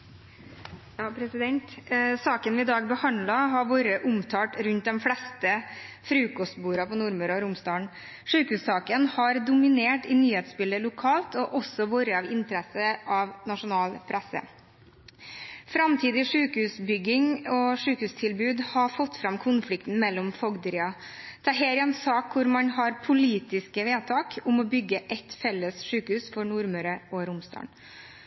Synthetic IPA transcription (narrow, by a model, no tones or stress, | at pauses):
jɑːpʰɾɛsɪd̪ɛnt̪sɑːkənʋɪɪd̪ɑːɡ̚bəhɑnd̪lɑɦɑɾʋoːɾəʔʊmt̪ʰɑːʈɾʉnt̪̚d̪ɛmflɛst̪ə | fɾʉːkɔst̪̚buːɾɑpɔnʊɾməɾɔɾʊmst̪ɑːɳ | ʂʉːkhʉːssɑːkənhɑɾd̪ʊmɪneːʈɪnyːheːt̪sbɪləlʊkʰɑːlt̪ɔʔɔsɔʋoːɾəɑʋɪnt̪əɾɛsəʔɑʋnɑʂʊnɑːlpʰɾæsə̰ | fɾɑmt̪ʰiːd̪ɪʂʉːkəhʉːsbʏɡːɪŋɔʂʉːkəhʉːst̪ʰɪlbʉːd̪hɑfɔt̪ːfɾɑmkʰʊnflɪkt̪n̩mɛlːɔmfɔɡd̪əɾɪɑ | t̪ʰɑɦeːɾɪɑnsɑːkkʰːʊɾmɑnhɑɾpʰʊliːt̪ɪskəʋeːt̪ʰɑːkʊmɔbʏɡːəʔɛt̪fɛlːəsʂʉːkəhʉːsfɔɳuɾmœɾəɔɾʊmst̪ɑ̰ːn